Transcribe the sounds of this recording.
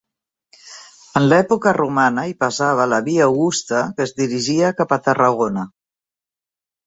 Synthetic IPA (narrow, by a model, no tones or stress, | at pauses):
ənlɛpukərʔumanəipasaβ̞əlaβiawɣust̪əkəzd̪iɾiʒiakapat̪əraɣ̞onə